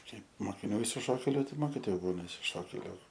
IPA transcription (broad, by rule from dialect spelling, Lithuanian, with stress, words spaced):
ˈkɐɪp moːkʲɪˈnʲuː ɪʃʲsʲɪˈʃoːkʲeːlʲʊ tɐɪp ˈmoːkʲɪtoːjʊ ˈbuːnɐ ɪʃʲsʲɪˈʃoːkʲeːlʲʊ